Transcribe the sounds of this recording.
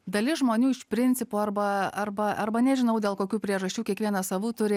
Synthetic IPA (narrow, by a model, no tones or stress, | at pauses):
d̪ɐlʲɪsʒmoːnʲuːɪʃpʲɾʲɪnʲt͡ssʲɪpuːɐrbɐɐrbɐɐɾbɐnʲɛʒʲɪnɐʊd̪ʲeːlˠkoːkʲuːpʲɾʲiɛʒɐsʲt͡ʃʲuːkʲiɛkʋʲiɛnɐsɐʋuːt̪ʊɾʲɪ